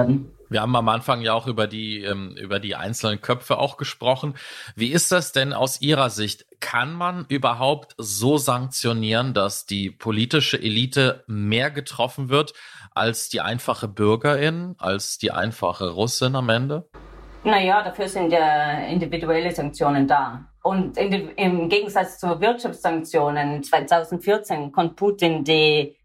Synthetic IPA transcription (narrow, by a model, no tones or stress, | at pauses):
ɐdn̩ | viɐhaːbm̩amʔanfaŋjaːaʊxʔyːbɐdiːʔɛːmʔy̰ːbɐdiːʔa̰ɪnt͡sl̩nənkʰœpfəʔa̰ʊxɡ̥əʃpʁ̥ɔχn̩viːɪst̚d̥asd̥ɛnʔa̰ʊsʔiːʁ̞ɐzɪçtkʰanmanʔyːbɐɦaʊptzoːzaŋk̚t͡sjoniːʁəndasd̥iːpʰoliːtɪʃəʔeliːtəmeːɐɡətʁ̥ɔfn̩vɪɐtʔa̰lsd̥iːʔa̰ɪnfaχəbʏɐɡɐɪnʔa̰lsd̥iːʔa̰ɪnfa̰χəʁʊsɪnamʔɛndənajaːdafyːɐzɪntjaːɪ̰ndividuɛləzaŋk̚t͡sjoːnəndaː | ʔʊntɪnɪmɡeːɡŋ̩zat͡st͡suvɪɐtʃaft͡ssaŋk̚t͡sjoːnənt͡sv̥aɪtʰaʊzn̩tfɪɐt͡seːnkʰɔmt̚pʰuːtɪndiː